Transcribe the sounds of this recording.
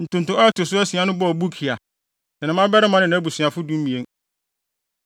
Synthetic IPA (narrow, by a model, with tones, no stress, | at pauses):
n̩˨tʊ̃˨n̩˨tʊ̃˨˦ɔ˦ɛ˦tʰɪ˨s̬ʊ˦æ˦si˨a˨nʊ̃˦bɔ˦ɔ˨bu˦kʰi˨a˨ | sɛ˨nã˦mã˦bɛ˦ɾɪ˦mã˦nɪ̃˨nã˦bu˨si˨ã˨fʊ˦dũ˦m˦mĩ˨e˦n